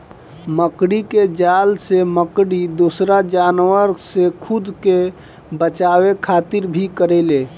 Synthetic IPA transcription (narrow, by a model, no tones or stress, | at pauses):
məkɽiked͡ʒalseməkɽid̪osɾad͡ʒanwəɾsekʰud̪ke | bət͡ʃawekʰat̪iɾbʱikəɾɛle